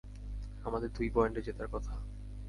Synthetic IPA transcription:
amad̪eɾd̪ujpɔjɳʈed͡ʑet̪aɾkɔt̪ʰa

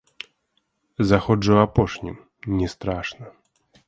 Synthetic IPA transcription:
zaxɔʐɨwapɔʂɲḭ | ɲɛst̪ɾaʂna

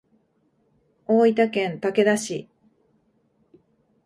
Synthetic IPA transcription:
oːit̪akẽ̞nt̪ake̞d̪aɕi

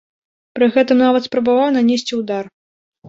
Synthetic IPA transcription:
pɾɨɣɛt̪ɨmnavɐt̪spɾɐbavawnɐnʲesʲt͡sʲiwd̪ar

